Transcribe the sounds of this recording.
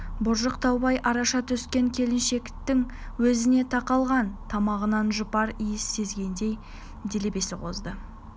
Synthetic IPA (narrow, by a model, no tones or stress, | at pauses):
bʊɾʒəqt̪ʰɑwbɑjʔɑɾɑʃɑt̪ʰʏskʲe̞ŋkʲʰe̞lɪnʃe̞kt̪ɪŋ | wɵzɪne̞t̪ʰɑqɑlˠʁɑnt̪ʰɑmɑʁənɑnʒʊpɑɾijɪsːe̞zɡʲe̞nd̪e̞j | d̪ele̞be̞sɪqʰo̞zd̪ə